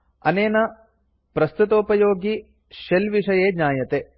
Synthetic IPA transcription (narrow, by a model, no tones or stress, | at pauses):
ɐ̰neːnɐ | pɾɐst̪ut̪oːpɐjoːɡi | ʃelʋiʂɐjeːɲaːjɐt̪e